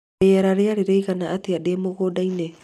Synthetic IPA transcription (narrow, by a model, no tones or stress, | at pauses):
eaɾaɾeaɾeɾejɣanaʔːteademoɡodajne